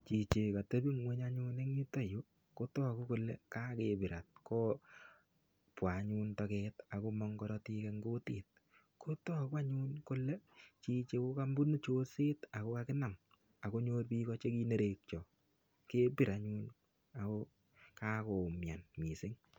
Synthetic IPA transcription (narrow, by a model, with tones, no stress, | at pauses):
t͡ʃi˨t͡ʃe˨ka˨te˦bi˦ŋwe˦ɲaɲu˦ne˦ŋɲi˦ta˨jo˦ | ko˦tɔ˦a˨ko˦ko˨lɛ˦ka˦ke˨bɪ˨ɾa˨t̚kɔ˦ | pwa˨ɲu˦ntɔkɛta˨ko˦mɔ˦ŋkɔ˦ɾɔ˦ti˦kɛŋɡo˦tiː˨t̚ | ko˦to˦˨kwa˦ɲu˦nkʊ˦lɛ˦t͡ʃi˨t͡ʃe˨ko˦ka˦mbu˦n˦t͡ʃo˦se˦ta˨ko˦ka˦kɪ˦na˨m | a˨ko˦ɲoː˦tpi˦kɔ˦t͡ʃe˦ki˦ne˦ɾe˨k̚t͡ʃɔ˨ | ke˦pi˨ɾa˨ɲu˦n | a˨ko˦ | ka˦ko˨mja˨nmi˨sɪ˦ŋ